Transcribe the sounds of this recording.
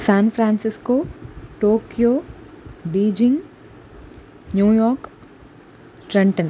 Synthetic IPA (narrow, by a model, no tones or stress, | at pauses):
saːnpʰɾaːnsɪskoːʈoːkijoː | biːd͡ʒɪ̃ŋɡ | njuːjɔːɾk | ʈɾɐɳʈən